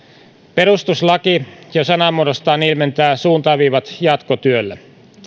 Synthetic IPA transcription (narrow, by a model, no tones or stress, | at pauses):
peɾust̪uslɑkijosɑnɑmuoɾost̪ɑːnilment̪æːsuːnt̪ɑʋiːʋɑt̪jɑt̪kot̪yølːe